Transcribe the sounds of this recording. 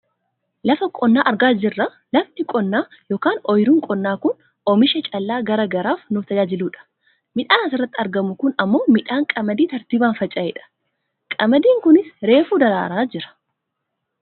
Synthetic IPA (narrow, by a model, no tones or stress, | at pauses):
lɐfɐkʼɔnːaːʔɐɾɡaːd͡ʒɪrːɐ | lɐfnɪkʼɔnːaː | joːkaːnɔjɾuːŋkʼɔnːaːkʊn | ɔmɪʃɛt͡ʃʼɐlːaːɡɐɾɐɡɐɾaːfnʊft̪ɐd͡ʒaːd͡ʒɪluːᶑɐ̥ | mɪᶑaːnɐsɪrːɐt̪ːɪɐɾɡɐmʊkʊnɐmːo̞ːmɪᶑaːŋkʼɐmɐd̪iːt̪ɐɾt̪iːbaːnfɐt͡ʃʼɐɛᶑɐ̥ | kʼɐmɐd̪iːŋkʊnɪsɾe̞ːfuːd̪ɐɾa̰ːɾaːd͡ʒɪɾɐ̥